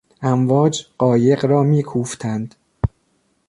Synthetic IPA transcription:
ʔæmvɒːd͡ʒɢɒːje̞ɢɾɒːmiːkʰuːft̪ʰænd̪̥

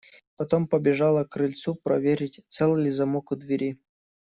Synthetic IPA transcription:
pɐt̪ompəbʲɪʐɑlˠəkɾɨlʲt̪supɾɐ̰vʲeɾʲɪtʲt̪sɛlˠɨlʲɪzɐmokʊd̪vʲɪɾʲi

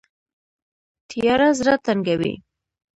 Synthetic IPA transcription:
t̪jjɑɾazɾat̪aŋɡawḭ

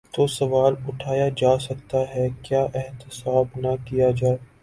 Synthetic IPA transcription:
t̪osɐʋaːlʊʈʰaːjad͡ʒaːsɐkt̪aɦɛkjaːʔɛɦt̪ɪsaːbnɐkijad͡ʒaːe

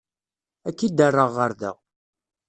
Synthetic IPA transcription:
ækːid̪ərˤːəʁːəɾðə̰ʁ

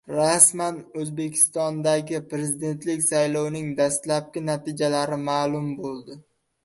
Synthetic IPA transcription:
ɾasmanɵzbe̞kʲʰɪ̥st̪ɒnd̪aɡʲɪpɾe̞zɪd̪e̞nt̪lɪkʲsajlˠɒwnɪŋd̪ast̪lap̚kʲɪnat̪ʰɪd͡ʒalaɾɪmaːlˠʊmbolˠd̪ɪ

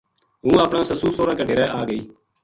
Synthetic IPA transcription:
ɦũːaːpɳãːsəsuːsoːɾãːkəʈeːɾɛːʔaːɡəiː

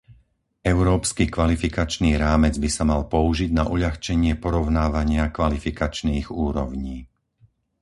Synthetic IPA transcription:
ɛʊɾɔːpskikʋalifikat͡ʃniːɾaːmɛd͡zbisamalpɔuʒiɟnaʔuʎaxt͡ʃɛɲɪɛpɔɾɔʊnaːʋaɲɪakʋalifikat͡ʃniːɣuːɾɔʊɲiː

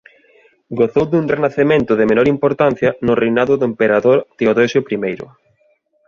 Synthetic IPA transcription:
ɡoθowðuŋrenaθemẽnt̪ʊðɪmenɔɾimpoɾt̪an̟θjɐnʊrejnaðʊðʊempeɾaðoɾt̪eoðoʃopɾimejɾʊ̰

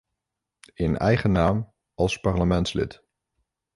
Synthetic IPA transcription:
ɪnɛ̰jχənaːm | ɑlˠspɑɹləmɛntslɪ̰t

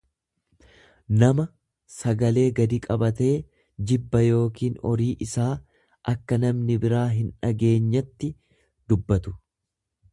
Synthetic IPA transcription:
nɐmɐ | sɐɡɐle̞ːɡɐd̪ikʼɐbɐt̪e̞ː | d͡ʒɪbːɐjo̞ːkiːnɔ̰ɾiːʔɪsaː | ʔɐkːɐnɐmnɪbɪɾaːɦɪnᶑɐɡe̞ːɲːɐt̪ːɪ | d̪ʊbːɐt̪ʊ̥

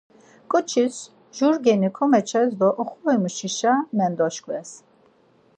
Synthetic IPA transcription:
kʼɔt͡ʃʰis | ʒuɾɡɛnikʰɔmɛt͡ʃʰɛzd̪ɔʔɔχuvɛmuʃiʃamɛnd̪ɔʃkʼvɛs

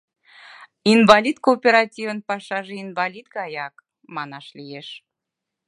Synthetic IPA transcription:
invɑlʲid̪koːpʲeɾɑtʲivənpɑʃɑʒeinvɑlʲid̪ɣɑjɑk | mɑnɑʃlijeʃ

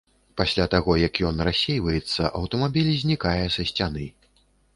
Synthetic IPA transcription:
pasʲlʲat̪aɣɔjɐkjɔnrasʲejvɐjɛt̪sːɐʔɐwt̪ɐmabʲilʲzʲnʲikajɛsɐsʲt͡sʲanɨ

